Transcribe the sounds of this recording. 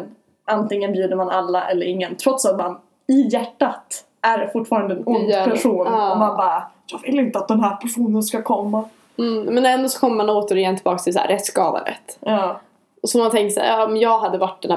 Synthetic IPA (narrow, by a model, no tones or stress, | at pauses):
n | ʔant̪ɪŋːənbjʉ̟ːd̪əɾmanalːaʔɛlːəɾɪŋːənt̪ʰɾɔt̪sat̪man | ɪjæʈːat̪ | ʔæɾfʊʈːfɑːɾand̪əɛnʊnd̪pʰæʂuːnɔmanbɑːɾajɑːɡvɪlːɪnt̪əat̪̚d̪ɛnɦæːɾpʰæʂuːnənskakʰɔmːa | mɛnɛnd̪ɔːsɔ̥kʰɔmːəmanoːt̪əɾɪjɛnt̪ʰɪlbɑːkst̪ʰɪlsæ̰ɾɛt̪skɑːd̪a̰ɾɛ̰t̪ːɑː | sɔmːhant̪ʰɛŋkt̪sa̰ːɑmjɑːɡɦad̪ːəvaʈ̚ːdɛnæ